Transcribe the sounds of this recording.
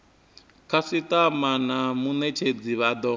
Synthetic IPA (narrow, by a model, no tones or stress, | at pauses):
kʰasit̪amanamunɛt͡ʃʰed͡ziβad̪ɔ